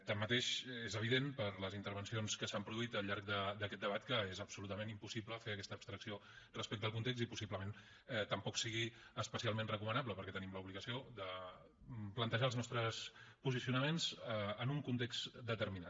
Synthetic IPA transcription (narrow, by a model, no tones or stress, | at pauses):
t̪amːət̪eʃezəβ̞iðenpəɾləzint̪əɾβənsionskəsampɾuðuit̪əlʎaɾk̚d̪əd̪əkɛt̪d̪əβ̞at̪kəezəpsulut̪əmenimpusipləfeəkɛst̪əːpst̪ɾəksiorəspek̚t̪əlˠkunt̪eksipusibləmen | t̪əmpɔksiɣiəspəsialˠmẽnrəkumənabləpəɾkɛt̪ənimləuβliɣəsioðə | plənt̪əʒaəlˠznɔst̪ɾəspuzisiunəmenzəənuŋkunt̪ekztd̪ət̪əɾmina